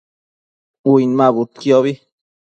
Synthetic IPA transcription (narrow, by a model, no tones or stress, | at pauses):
wijnmabut̪kjoβi